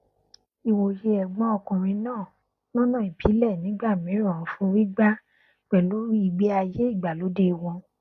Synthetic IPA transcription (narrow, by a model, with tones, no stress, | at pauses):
i˨wo˨je˧ɛ˨ɡ͡bɔ̃˧˦ɔ˧kũ˨ɾ̃ĩ˧nãː˦˨ | nɔ̃˦nã˦˨i˨bʰi˨˦lɛ˦˨nĩ˨˦ɡ͡ba˦˨mĩ˨˦ɾɔ̃˦˨˦fũ˧˦wi˦ɡ͡ba˦ | k͡pɛ˨lo˨˦ɾi˦i˧ɡ͡bi˦a˧je˦i˦˨ɡ͡ba˨lo˨˦de˦i˧wɔ̃˧